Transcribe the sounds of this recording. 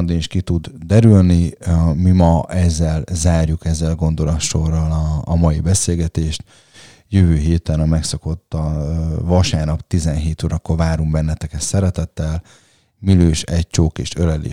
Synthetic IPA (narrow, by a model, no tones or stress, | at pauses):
nd̪iniʃkit̪ud̪d̪ɛɾylnimimɒɛzːɛlzaːrjukɛzːɛlɡo̞nd̪o̞lɒt̪ʃo̞rːɒlɒːmɒjibɛseːlɡɛt̪eːʃt̪ | jøvøːɦeːt̪ɛnɒmɛksɒko̞t̪ːɒvɒʃaːrnɒpt̪izɛnɦeːt̪oːɾɒkːo̞rvaːɾumbɛnːɛt̪ɛkɛt̪sɛɾɛt̪ɛt̪ːɛl | miløːʃɛc̚t͡ʃoːkeːʃølɛlḭː